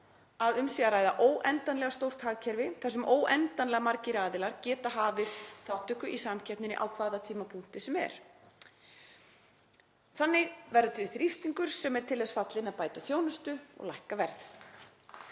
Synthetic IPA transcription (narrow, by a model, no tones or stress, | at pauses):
aðʏmsiːɣaɾaːjðaʔoːwʔɛnt̪anlɛɣast̪owɾ̥t̪haːɣcʰɛɾvɪθɛs̬ʏmʔoːwʔɛnt̪anlɛɣamaɾcɪɾaːðɪlaɾcɛːt̪aɦaːvɪðθawht̪ʏhkʏʔisamcʰɛpnɪnɪ̰ʔa̰wkʰvaːðat̪ʰiːmapʰuŋ̥t̪ɪsɛmɛ̰ɾ̥ | θanːɪɣvɛɾðʏt̪ʰɪθɾist̪iŋkʏɾ̥sɛmɛɾ̥t̪ʰɪlːɛsfat̪lɪnaðpaːjt̪aθjoːwnʏst̪ʏɔ̰ɣla̰jhkavɛɾð